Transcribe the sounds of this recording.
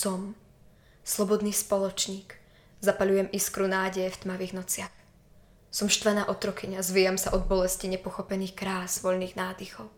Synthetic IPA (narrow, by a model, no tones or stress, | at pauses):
sɔm | slˠɔbɔd̪niːspɔlɔt͡ʃɲiːk | zapaʎujɛmʔiskɾunaːɟɛjɛft̪maʋiːɣnɔt͡sɪax | sɔmʃt̪ʋɛnaːʔɔt̪ɾɔkiɲazʋijamsaʔɔd̪̚bɔlɛsciɲɛpɔxɔpɛniːxkɾaːzʋɔʎniːɣnaːd̪ixɔʊ